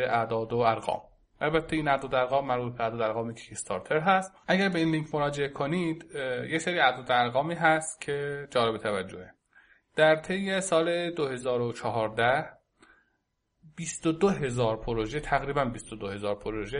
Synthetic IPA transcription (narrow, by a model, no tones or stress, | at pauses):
eʔæd̪ɒːd̪oæɾɣɒ̰ːm | ʔælbæt̪ʰːeiːnæd̪ɒːd̪oæɾɣɒːmːæɾbuːt̪̚beæd̪ɒːd̪æɾɣɒːmecʰi̥kʰest̪ʰɒɾt̪ʰeɾɦæst̪ʔæɟæɾbe̞iːnliŋcʰmoɾɒːd͡ʒe̞ʔekʰonid̪jeseɾiːæd̪ɒːd̪oæɾɣɒːmiːɦæst̪cʰe̞d͡ʒɒːlebe̞t̪ʰævæd͡ʒːohe | d̪̥æɾt̪ʰe̞jːesɒːled̪ohe̞zɒːɾot͡ʃʰɒɦɒːɾd̪æh | b̥ist̪od̪oɦe̞zɒːɾpʰoɾoʒet̪ʰæɣɾiːbænbist̪od̪ohe̞zɒːɾpʰoɾoʒe